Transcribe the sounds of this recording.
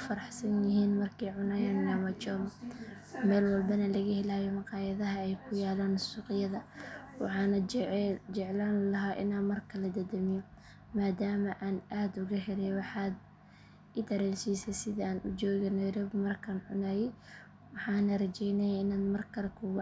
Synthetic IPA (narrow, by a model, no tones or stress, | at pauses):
fɐɾɑħsɐnjɪɦiːnmɐrkʰɛjʕʊnaːjaːnnaːmɐt͡ʃɔːm | mɛːlwɑlbɐnɐlɐɣɐhɪlaːjɛmɑqɑːjɐðɐɦɐɛjkʰʊjaːlaːnsuːqɪjɐðɐwɑ̰ħɑːnɐd͡ʒɛʕlaːnlɐɦaːʔɪ̰naːnmɐrkʰɐlɐd̪ɐd̪ɐmɪjɔ | maːd̪aːmɐʔaːnʔaːd̪ʊɣɐhɛɾɛjwɑħɑːd̪ | ɪd̪ɐɾɛːlsiːsɛsɪðiaːnʔʊd͡ʒɔːɣɐnɐjɾɔbmɐrkʰɐnʕʊnaːjɛj | wɑħɑːnɐrɐt͡ʃɛjnɛjaɪnaːnmɐrkʰɐlɛkʰʊɣ